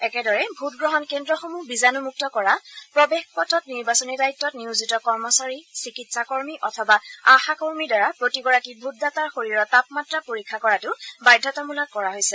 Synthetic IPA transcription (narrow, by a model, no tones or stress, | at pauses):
ɛkɛdɔɹɛbʱutɡɹɔɦɔnkendɹɔxomubizanumuk̚tɔkɔɹapɹɔbexpɔtʰɔtniɹbasɔnidajitːɔtniʊzitɔkɔɹmɔsaɹisikitsakɔɹmiʔɔtʰɔbaaxakoɹmidɔɹapɹotiɡɔɹakibʱut̚dataɹxoɹiɹɔtapmatɹapoɹikʰːakɔɹatʊbajdʱːɔtɔmulakkːɔɹaɦojsɛ